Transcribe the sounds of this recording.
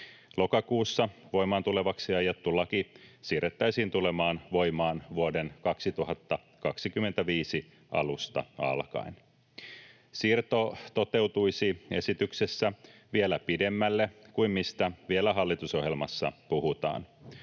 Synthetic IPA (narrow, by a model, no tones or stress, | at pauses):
lo̞kɑkuːsːɑʋo̞jmɑːnt̪ule̞ʋɑksiɑjɑt̪ːulɑkisiːret̪ːæjsiːnt̪ule̞mɑːnʋo̞jmɑːnʋuode̞nkɑksit̪uɦɑt̪ːɑ | kɑksikymːe̞nt̪æʋiːsi | ɑ̰lust̪ɑ̰ɑ̰lkɑ̰in | sirt̪ot̪o̞t̪e̞wt̪ujsie̞̰sit̪ykse̞sːæʋielæpide̞mːælːekuimmist̪æʋielæɦɑlːit̪uso̞ɦjelmɑsːɑ̰puɦut̪ɑ̰ːn